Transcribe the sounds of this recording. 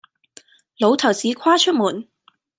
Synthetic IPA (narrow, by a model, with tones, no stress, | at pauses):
lo˨˧wt̪ʰɐ˨˩wt͡siː˨˥kʰaː˥t͡ʃʰɵ˥t̚muː˨˩n